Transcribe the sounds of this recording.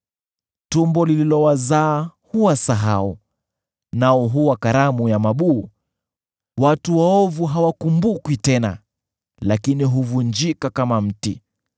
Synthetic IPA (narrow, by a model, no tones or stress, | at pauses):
tumbɔlililɔwazaːhuwasaɦau | naɔɦuwakaɾamujamaɓuː | watuwaɔvuɦawakumbukwitɛna̰ | lakiniɦuvund͡ʒikakamam̩ti